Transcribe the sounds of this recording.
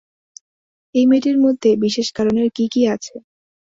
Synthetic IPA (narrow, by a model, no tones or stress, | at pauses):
ejmeʈeɾmod̪ʱːebiʃeʃkaɾoneɾkikiat͡ɕʰe